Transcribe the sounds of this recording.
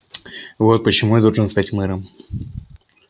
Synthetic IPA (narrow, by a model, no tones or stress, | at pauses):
vo̞t̪̚pət͡ɕɪmujad̪olˠʐɨnst̪atʲmɨɾəm